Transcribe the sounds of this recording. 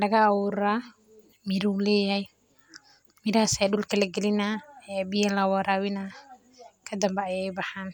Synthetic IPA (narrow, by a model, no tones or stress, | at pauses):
lɐɣɐːwʊɾaː | mɪɾulɛːjahɛj | mɪɾhsɛːɗʊlkʰɐlɛɡɛlɪnaɛbɪjɐlɐwɐɾaːwɪna | kʰɐd̪ɐmbɛɐjɛjbɑħaːn